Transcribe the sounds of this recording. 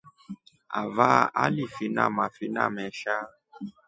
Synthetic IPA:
a̰vaalifina̰mafina̰mɛʃa

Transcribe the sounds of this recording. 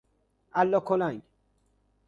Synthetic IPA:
ælːɒːkʰolæŋɡ

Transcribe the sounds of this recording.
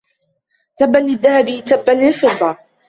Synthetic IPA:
t̪abːalːɪðːahabit̪abːalːɪlfɨd̪ˤːɑ

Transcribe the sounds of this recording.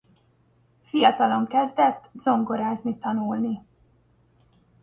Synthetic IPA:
fijɒt̪ɒlo̞ŋkɛzd̪ɛt̪ːz̥o̞ŋɡo̞ɾaːznit̪ɒnulni

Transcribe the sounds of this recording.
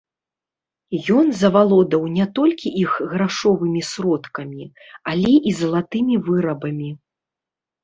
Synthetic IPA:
jɔnzɐvalˠɔd̪ɐwnʲɛt̪ɔlʲkʲiʔixɣɾaʂɔvɨmʲisɾɔt̪kɐmʲi | alʲɛʔizɐlˠat̪ɨmʲivɨɾɐbɐmʲi

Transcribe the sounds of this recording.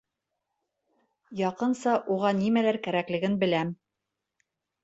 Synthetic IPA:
jɑqɤnsɑʔuʁɑnimælæɾkæɾæklɘ̆ɡɘnbɘ̆læm

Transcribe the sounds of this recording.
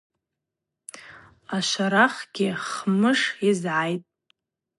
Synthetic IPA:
aʃʷaɾaχɡʲɪχmɨʂizʕajtʼ

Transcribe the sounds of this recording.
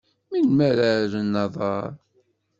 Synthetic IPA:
minmæɾaɾənːɑðˤɑɾˤ

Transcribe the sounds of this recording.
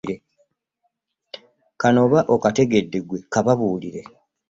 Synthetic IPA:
ɾe | kano̞βaʔokate̞ɡe̞dːe̞ɡwe̞kaβaβuːliɾe̞

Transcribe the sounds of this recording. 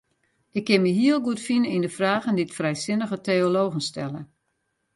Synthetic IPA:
ʔɪkːɪnmiɦiəlˠɡuətfinəindəfraːɣənditfrɛjsɪnəɣəteoloːɣən̩stɛ̰lə

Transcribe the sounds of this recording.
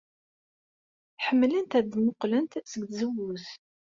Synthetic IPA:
ħəmːlənt̪æðmoqlənt̪səɡθzəwːʊθ

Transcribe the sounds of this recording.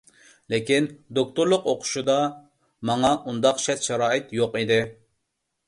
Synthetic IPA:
lɪkʲind̪ok̚t̪uɾlˠʊqoqʰʊ̥ʃud̪ɑ | mɑŋɑʔund̪ɑqʃɛt̪ʃɛɾɑːɪt̪joqid̪ɪ

